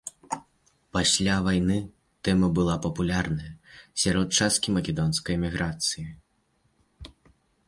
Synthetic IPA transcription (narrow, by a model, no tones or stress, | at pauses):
pasʲlʲavajnɨ | t̪ɛmɐbɨlˠapɐpulʲarnɐjɐsʲaɾɔt̪̚t͡ʂast̪̚kʲimɐkʲɛd̪ɔnskɐjɛmʲiɣɾat̪sɨji